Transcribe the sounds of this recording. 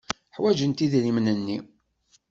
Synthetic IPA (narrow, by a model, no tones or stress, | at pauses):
ħwæd͡ʒənt̪iðlimnənːi